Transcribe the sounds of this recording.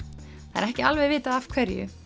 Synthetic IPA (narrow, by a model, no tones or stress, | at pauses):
θaɛ̰ɾɛhcɪalvɛjvɪːt̪aðav̥kʰv̥ɛɾjʏ̰